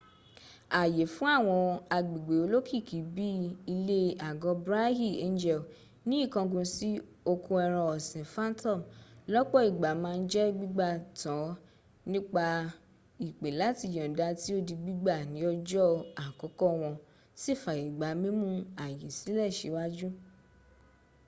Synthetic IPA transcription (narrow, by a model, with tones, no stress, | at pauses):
a˨je˨fũ˦a˦˨w̃ɔ̃˧a˧ɡ͡bi˨ɡ͡be˨o˨˧lo˦kʰi˦˨ki˨˦bi˦i˧le˦a˨ɡɔ˨˧bɾa˦hi˦˨e˦n˦d͡ʒɛ˦˨l | nĩ˦i˦˨kã˧ɡũ˧si˦ | o˧kũ˧ɛ˧ɾ̃ɔ̃˧ɔ˨sĩ˨fã˦ntɔ̃˦˨mlɔ˦k͡pɔ˦˨i˨ɡ͡ba˨˦mãː˦˧n̩˦d͡ʒɛ˦ɡ͡bi˦ɡ͡ba˦˨tã˨˦ | nĩ˦k͡pa˧ | i˨k͡pe˨la˨˦ti˧˨jɔ̃˨da˧˦ti˦o˦di˧ɡ͡bi˦ɡ͡ba˦˨nĩ˨˦ɔ˧d͡ʒɔ˦a˨kɔ˨˦kɔ˦˧w̃ɔ̃˧ | si˦˨fa˨i˨ɡ͡ba˨˦mĩ˦mũ˦a˨jĩ˨si˨˦lɛ˦˨ʃe˨˦wa˦d͡ʒu˦